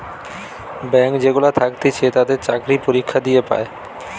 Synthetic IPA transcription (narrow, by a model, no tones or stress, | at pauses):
bɛŋkd͡ʑeɡulat̪ʰakt̪et͡ɕʰet̪ad̪eɾt͡ɕakɾipoɾikʰːad̪ijepa̰e